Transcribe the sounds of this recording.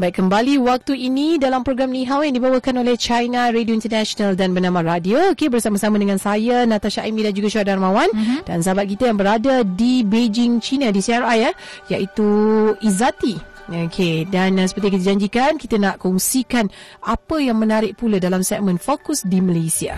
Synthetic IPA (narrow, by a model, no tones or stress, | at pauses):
bait̚kəmbaliwak̚t̪uinidalampɾoɡɾamniɦawjaŋdibawəkanolɛht͡ʃajnaɾedioint̪ərnaʃonaldanbərnamãɾadiookebərsamasamãdəŋãnsajanãt̪aʃaʔimidand͡ʒuɡaʃuadarmãwand̥ansabat̪̚kit̪əjaŋbəɾadadibed͡ʒɪŋt͡ʃinadisiaɾaja | jaʔit̪uizat̪i | okʰedans̬ə̥pərt̪iakit̪əd͡ʒaɲd͡ʒikankit̪ənaʔkɔŋsikanapəjaŋmənaɾɪʔ̚pulədalamsɛk̚mə̃nfokʊsdiməlasia̰